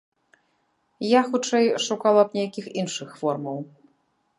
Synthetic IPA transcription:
jaxut͡ʂɛjʂukalˠɐp̚nʲɛjakʲixinʂɨxfɔrmɐw

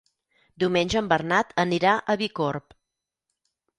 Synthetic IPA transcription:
d̪iwmenʲʒəːmbərnat̪əniɾaʔəβikorp

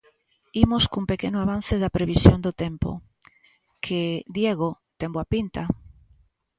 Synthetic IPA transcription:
imʊskumpekenʊaβan̟θɪðɐpɾeβisjond̪ot̪empo̰ | kʰed̪jeɣ̞o | t̪emboapint̪a

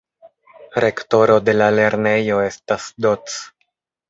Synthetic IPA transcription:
ɾe̞kto̞ɾo̞de̞lale̞ɾne̞jo̞e̞stasdo̞t͡s

